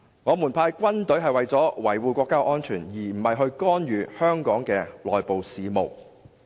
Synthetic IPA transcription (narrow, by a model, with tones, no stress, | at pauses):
ŋɔː˨˧muː˨˩npʰaː˧jkʷɐ˥nt̪ɵ˨˥ɥɦɐ˨jwɐ˨jt͡sɔː˨˥wɐ˨˩jwuː˨˧kʷɔː˧kːaː˥ʔɔː˥nt͡ʃʰyː˨˩njiː˨˩m̩˨˩hɐ˨jɦɵ˧ɥkɔː˥njyː˨˧hœː˥ŋkɔː˨˥ŋkɛː˧lɔː˨jpo˨wsiː˨˧mo˨˩w